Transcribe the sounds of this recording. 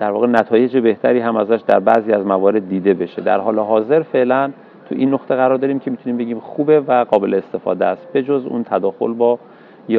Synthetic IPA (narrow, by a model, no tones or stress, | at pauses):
d̪̥æɾvɒːɣe̞næt̪ʰɒːje̞d͡ʒebe̞ht̪ʰæɾiːɦæmæzæʃd̪æ̰ɾbæʔziːæzmævɒːɾe̞d̪ːiːd̪e̞be̞ʃe̞d̪æ̰ɾɦɒːleɦɒːze̞ɾfe̞ʔlæn | t̪ʰṵʔinːoxt̪ʰeɣæɾɒːɾd̪ɒːɾiːmcʲʰe̞mit̪ʰuniːmbe̞ɟiːmxuːbe̞væɡɒːbe̞leːst̪e̞fɒ̰ːd̪eæst̪̚be̞d͡ʒozṵːnt̪ʰæd̪ɒːxo̞̰lbɒː | j